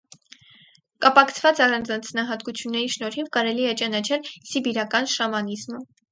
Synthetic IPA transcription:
kɑpɑkʰt͡sʰvɑt͡sɑrɑnd͡zɑnd͡znɑɦɑt̪kut͡sʰjunːɛɾiʃnɔɾhivkɑɾɛliɛt͡ʃɑnɑt͡ʃʰɛlsibiɾɑkɑnʃɑmɑnizmə

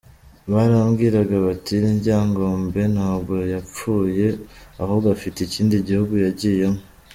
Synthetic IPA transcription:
βaɾamɡiːɾaɡaβatiɾiɲɟaːŋɡoːmbe̞nhaːbɡojap͡fuːje̞aho̞ɡafiteciːndiɟihuɡujaɟije̞mo

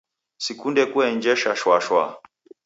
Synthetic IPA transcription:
sikundɛkuɛɲd͡ʒɛʃaʃwaʃwa

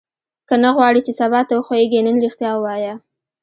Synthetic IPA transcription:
kənaɣwɑɽit͡ʃesabɑt̪awəxaeɡenənɾixt̪jɑwɑja

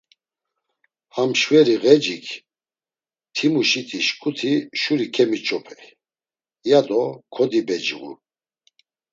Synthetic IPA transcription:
hamʃvɛɾiɣɛd͡ʒikʰ | t̪ʰimuʃit̪ʼiʃkʼut̪ʰiʃuɾikʰɛmit͡ʃʼɔpʰɛ | jad̪ɔkʰɔd̪ibɛd͡ʒiɣṵ

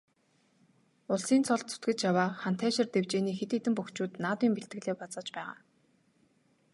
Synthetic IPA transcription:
ʊɮsiːnt͡sʰɔɮt̪t͡sʰʊ̥t̪ɡɘ̆t͡ɕjawaːχan̥t̪ʰæːʃɪ̆rt̪ewt͡ɕeːniːxet̪eːt̪ɘ̆mpuxt͡ɕuːt̪naːt̪wiːmpeɬt̪ɡɘ̆ɮeːpɔt͡sə̆t͡ɕpæːʁa̰ː

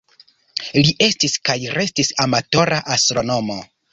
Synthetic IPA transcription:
liʔe̞stiskajɾe̞stisamato̞ɾaʔastɾo̞no̞mo̞

